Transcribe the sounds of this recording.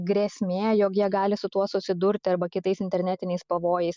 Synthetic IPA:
ɡɾʲɛsʲmʲeːjoːkjiɛɡɑːlʲɪsʊt̪uɔsʊsʲɪd̪ʊɾʲt̪ʲɐɾbɐkʲɪt̪ɐɪsɪnʲt̪ʲɛɾʲnʲæːt̪ʲɪnʲɛɪspɐʋoːjɛɪs

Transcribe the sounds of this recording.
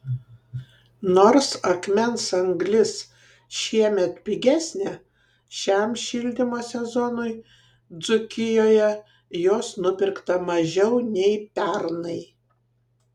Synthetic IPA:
noːɾsɐkmʲɛnsɐŋɡlʲɪs | ʃʲiɛmʲɛt̪pʲɪɡʲæsʲnʲe | ʃʲɛmʃʲɪlʲd̪ʲɪmoːsʲɛzɔnʊj | d̪zʊkʲɪjoːjɛ | joːsnʊpʲɪɾkt̪ɐmɐʒʲɛʊnʲɛɪpʲæɾnɐɪ

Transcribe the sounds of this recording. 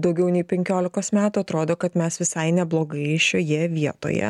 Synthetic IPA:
d̪ɐʊɡʲɛʊnʲɛɪpʲɛŋʲkʲoːlʲɪkoːsmʲæːt̪uːɐt̪ɾoːd̪oːkɐt̪mʲɛsʋʲɪsɐɪnʲɛblˠoːɡɐɪʃʲojɛʋʲiɛt̪o̰ːjɛ̰

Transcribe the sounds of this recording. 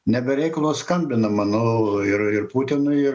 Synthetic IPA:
nʲɛbʲɛɾʲɛɪkɐlˠoːskɐmʲbʲɪnɐmɑnoːɪrɪrpuːt̪ʲɪnʊɪɪr

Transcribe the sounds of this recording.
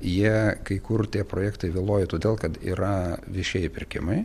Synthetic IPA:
jiɛkɐɪkʊrt̪ʲiɛpɾoːjɛːkt̪ɐɪʋʲɪːlˠoːjɛt̪oːd̪ʲeːlˠkɐt̪ḭːɾɐʋʲɪʃʲeɛjɪpʲɪɾʲkʲɪ̰mɐɪ

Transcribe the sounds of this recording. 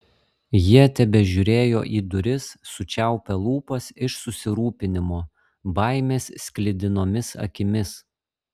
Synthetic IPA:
jiɛt̪ʲɛbʲɛʒʲʊɾʲeːjo̰ːʔiːd̪ʊɾʲɪsːʊt͡ʃʲæˑʊpʲɛlˠuːpɐsɪʃsʊsʲɪɾuːpʲɪnʲɪmoː | bɐˑɪmʲeːssʲkʲlʲɪd̪ʲɪnoːmʲɪsɐ̰kʲɪmʲɪs

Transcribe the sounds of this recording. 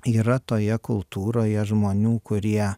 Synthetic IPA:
iːɾɐt̪oːjɛkʊlˠt̪uːɾoːjɛʒmoːnʲuːkʊɾʲiɛ

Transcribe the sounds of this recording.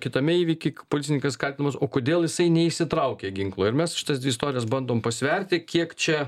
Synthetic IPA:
kʲɪt̪ɐmʲɛiːʋʲikʲɪpolʲɪt͡sʲsʲɪnʲɪŋkɐskɐlʲtʲɪnɐmɐsoːkoːd̪ʲeːlˠjɪsɐɪnʲɛiʃsʲɪt̪ɾɐʊkʲeːɡʲɪŋklˠoːɪɾmʲɛsʃʲɪt̪ɐsd̪ʋʲɪst̪oːɾʲɪjɛsbɐnd̪oːmpɐsʲʋʲɛɾʲt̪ʲɪkʲiɛkt͡ʃʲɛ

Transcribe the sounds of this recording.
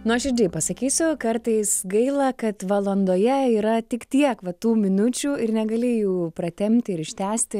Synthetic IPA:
nʊɐʃɪrʲd͡ʒʲiːpɐsɐkʲiːsʲʊkɐrt̪ɐɪsɡɐɪlˠɐkɐt̪ʋɐlˠoːnd̪oːjɛiːɾɐt̪ʲɪkt̪ʲiɛkʋɐt̪uːmʲɪnʊt͡ʃʲuːɪrnʲɛɡɐlʲɪjuːpɾɐt̪ʲɛmʲt̪ʲɪɪɾɪʃʲt̪ʲæːsʲt̪ʲɪ

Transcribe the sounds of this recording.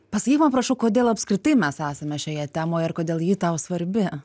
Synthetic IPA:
pɐsɐkʲiːkʲmɐmpɾɐʃɐʊkoːd̪ʲeːlˠɐpskɾʲɪt̪ɐɪmʲɛsæːsʲemʲɛʃʲɛːjɛt̪ʲæːmoːjɐrkoːd̪ʲeːlˠjiːt̪ɐʊsʋɐɾʲbʲɪ

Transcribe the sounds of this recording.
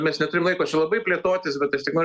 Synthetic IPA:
mʲɛsnʲɛt̪ʊɾʲɪmlˠɐɪkoːt͡ʃʲɛlˠɐbɐɪpʲlʲeɛt̪oːt̪ʲɪsbʲɛt̪ɐʃt̪ʲɪknoː

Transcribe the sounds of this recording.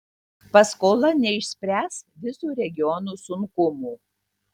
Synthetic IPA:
pɐskoːlˠɐnʲɛɪʃʲsʲpʲɾʲæːsʋʲɪsuːɾʲɛɡʲɪjɔnuːsʊŋkʊmuː

